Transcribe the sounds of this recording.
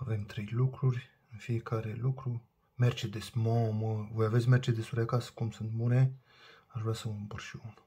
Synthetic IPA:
ave̞mt̪ɾejlukɾurʲ | ɨnfiekaɾelukɾu | mert͡ʃed̪esmõməvojaves̬ʲmert͡ʃed̪esuɾeakasə̥kumsɨnt̪bune | aʒvɾeasəumpərʃiunu

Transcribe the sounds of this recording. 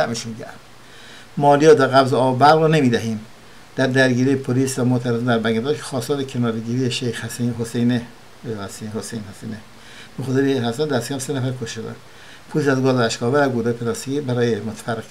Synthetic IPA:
æʔmiʃunɟæ̰ɾ | mɒːlijɒːd̪æɣæbzeɒːbobæɾɣɾɔnemiːd̪æɦiːm | d̪̥æɾd̪æɾɡiːɾijepʰoliːsvæmoʔt̪ʰæɾezind̪æɾbæŋɡed̪ɒːkʰe̥xɒːst̪ɒːɾekʰenɒːɾeɟiːɾijeʃejxhsiɦosejne | hæsihosejnhæsiːne | noxsenihæst̪ænd̪æst̪e̥cʰæmsenæfæɾkʰoʃʃod̪æ̰n | pʰolisæzɡɒːzeæʃkɒːvæɾæɡud̪ɑːjepʰeɾɑst̪iɡibæɾɒːjemot̪ʰæ̥færːe

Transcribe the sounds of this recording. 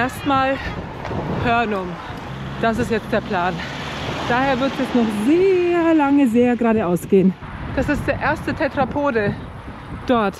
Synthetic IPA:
ʔeːɐstmaːl | hœɐnʊŋ | d̥asɪstjɛt͡std̥eːɐpʰl̥aːn | d̥aːheːɐvɪɐtd̥ɛsnɔχzeːɐlaŋəzeːɐɡʁaːɾəʔaʊsɡ̥eːən | d̥asɪstd̥eːɐʔeːɐstətʰɛtʁ̥apʰoːdə | d̥ɔɐt

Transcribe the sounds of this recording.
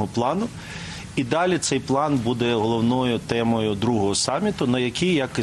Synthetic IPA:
ɦɔplˠɑnʊ | id̪ɑlʲit̪sɛjplˠɑnbud̪ɛɦɔlˠɔwnɔjʊt̪ɛmɔjʊd̪ɾuɦɔɦɔsɑmʲːit̪ʊnɐjɐkʲijjɐkɪ

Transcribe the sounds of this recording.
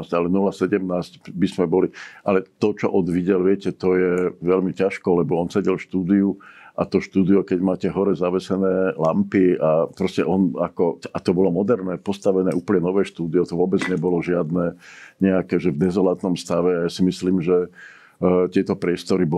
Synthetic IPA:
salɛnulasɛɟɛmnaːscbizmɛbɔliʔalɛt̪ɔt͡ʃɔʔɔd̪ʋiɟɛlʋɪɛcɛt̪ɔjɛʋɛlmicaʃkɔlɛbɔɔnsɛɟɛlfʃt̪uːd̪iuʔa̰t̪ɔʃt̪uːd̪ijɔkɛɟmaːcɛɦɔɾɛzaʋɛsɛnɛːlampiapɾɔscɛʔɔnakɔat̪ɔbɔlɔmɔd̪ɛɾnɛːpɔst̪aʋɛnɛːʔuːpəɲɛnɔʋɛːʃt̪uːd̪iɔt̪ɔʋɔbɛd͡zɲɛbɔlɔʒɪad̪nɛːɲɛakɛːʒɛvd̪ɛzɔlat̪nɔmst̪aʋɛajasimisliːmʒɛ | t̪ɪɛt̪ɔpɾɪɛst̪ɔɾib

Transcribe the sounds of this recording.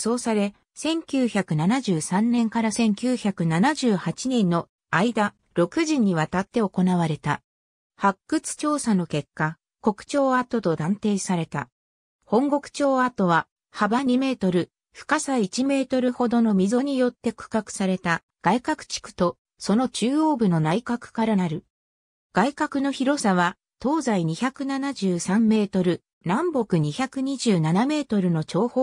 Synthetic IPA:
so̞ːsaɾe̞ | sẽ̞ŋkʲɨːçakɯ̟nanaʑɨːsãnːnẽ̞ŋkaɾasẽ̞ŋkʲɨːçakɯ̟nanaʑɨːhat͡ɕinẽ̞nːo̞ | aid̪a | ɾo̞kɯ̟ʑĩɲ̟ːiβ̞at̪at̪ːe̞o̞ko̞naβaɾe̞t̪a̰ | hakːɯ̟t͡sɨ̥t͡ɕo̞ːsano̞ke̞kːa | ko̞kɯ̟̥t͡ɕo̞ːat̪o̞t̪o̞d̪ãnt̪e̞ːsaɾe̞t̪a | hõ̞ŋɡo̞kɯ̟̥t͡ɕo̞ːat̪o̞βa | habaɲ̟ime̞ːt̪o̞ɾɯ̟ | ɸɯ̟̥kasait͡ɕime̞ːt̪o̞ɾɯ̟ho̞d̪o̞no̞mʲizo̞ɲ̟ijo̞t̪ːe̞kɯ̟̥kakɯ̟̥saɾe̞t̪a | ɡ̥aikakɯ̟̥t͡ɕi̥kɯ̟̥t̪o̞ | so̞no̞t͡ɕɨːoːbɯ̟no̞naikakɯ̟̥kaɾanaɾɯ̟ | ɡ̥aikakɯ̟no̞çiɾo̞saβa | t̪o̞ːzaiɲ̟içakɯ̟nanaʑɨːsãmːe̞ːt̪o̞ɾɯ̟ | nãmbo̞kɯ̟ɲ̟içakɯ̟ɲ̟iʑɨːnaname̞ːt̪o̞ɾɯ̟no̞t͡ɕo̞ːhoː

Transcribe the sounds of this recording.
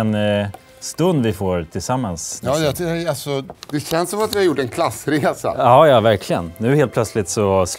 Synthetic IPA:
ɛn | st̪ɵnd̪vɪfoːɾt̪ʰɪlsamːansɑːjɑt̪alsɔd̪ɛɕɛnsːɔmat̪vɪhaɾjʊʈːɛnkʰlasɾeːsa̰ɑːjɑːvæɾkʰlɪɡə̰nnʉ̟ːheːlt̪̚pʰlœt̪slɪt̪sɔs

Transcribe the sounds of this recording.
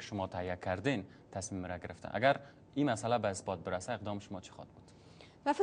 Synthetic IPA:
ɪ̥ʃʊmɒt̪ʰahiakʰaɾd̪en | t̪ʰasmimɾaɡɪɾɪft̪a̰ʔa̰ɡaɾ | imasalabaɪsbɒt̪̚bɪɾasaeq̚d̪ɒmʃʊmɒt͡ʃʰi̥χɒ̰d̪̚bud̪̥ | vafɪ

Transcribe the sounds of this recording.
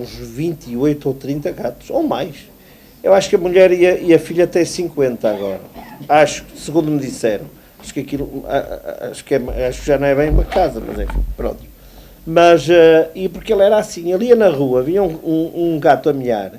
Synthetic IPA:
ũʒvĩnt̪iojt̪owt̪ɾĩnt̪ɐɣat̪u̥ʃomajʃ | ewaʃu̥kɐmuʎɛɾiɐiɐfiʎɐat̪ɛsĩŋkwẽnt̪ɐaɣɔɾɐaʃu̥ksɨɣũnd̪umɨðisɛɾɐ̰̃w̃ | aʃu̥kɐkilˠua̰a̰ʃu̥kɛmaaʃu̥kʒanɐ̃w̃ɛβẽj̃umɐkazɐmɐ̰zɛ̰fḭpɾõ̰nt̪u̥ | mɐzɛipuɾkelˠɛɾasĩelˠiɐnɐʁuɐviɲɐũũũɡat̪uɐmiʎa̰ɾ

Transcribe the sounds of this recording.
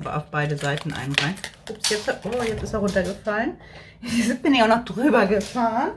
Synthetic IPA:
bɐ̰ʔa̰ʊfb̥aɪdəzaɪtn̩ʔa̰ɪnʁaɪn̥ɪpjɛt͡sʔoːjɛt͡sɪstaʊntɐɡəfalən | zɪb̥ɪnɪçaʊxnɔχd̥ʁyːbɐɡəfaːʁən

